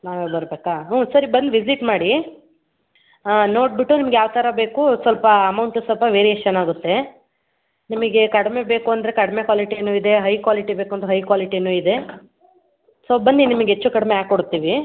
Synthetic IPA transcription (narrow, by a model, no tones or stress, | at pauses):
naːʋebɐɾbeːkaːɦusɐɾibɐnd̪ʋid͡ʒiʈmaːɽi | no̞ːʈ̚biʈːunimɐɡjaːʋt̪ɐɾɐbe̞ːkusʋɐlpɐɐmɐwɳʈusʋɐlpɐʋe̞ːɾiet͡ʃɐnaːɡut̪ːe̞ | nimɐɡe̞kɐɽme̞be̞ːkuɐnd̪ɾekɐɽme̞kʋaːliʈinuːid̪e̞ɦɐjkʋaːliʈibeːkuond̪ɐɦɐjkʋaːliʈinuːid̪e̞ | soːbɐnd̪inimɐɡɦet͡ʃːukɐɽmeaːkoɽt̪ːiːʋi